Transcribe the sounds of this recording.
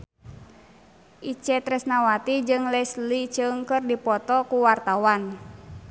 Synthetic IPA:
ʔit͡ʃɛt̪ɾɛsnawat̪id͡ʒɨŋlɛslit͡ʃɨŋkɨrdipɔt̪ɔkuwart̪awan

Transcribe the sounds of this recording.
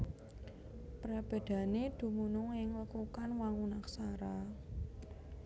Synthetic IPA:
pɾab̥e̤d̪̥ä̤ned̪̥ṳmunʊŋɪŋləkukanwaŋunaksaɾa

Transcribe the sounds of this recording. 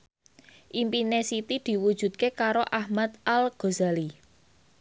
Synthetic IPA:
ʔimpinesit̪id̪̥i̤wud̥ʒ̥ṳt̪̚kekaɾoʔahmat̪ʔalɡ̥o̤zali

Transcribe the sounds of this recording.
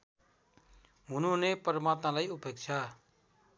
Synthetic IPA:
mununepʌɾmat̪nalajupek̚t͡ʃʰa

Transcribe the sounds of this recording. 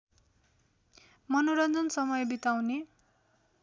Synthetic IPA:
mʌnoɾʌnd̪ʱʌnsʌmʌjbit̪awne

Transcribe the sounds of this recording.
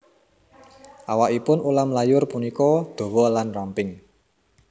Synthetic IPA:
ʔawaʔipʊnulamlajʊrpunikɔd̪̥o̤wɔlanrampɪŋ

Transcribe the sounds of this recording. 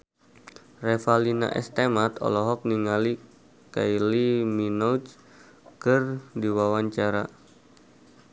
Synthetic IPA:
rɛfalina̰ʔɛ̰st̪emat̪ɔ̰lɔɦɔk̚niŋali | kailiminɔut͡ʃ | kɨrdiwawaɲt͡ʃaɾa

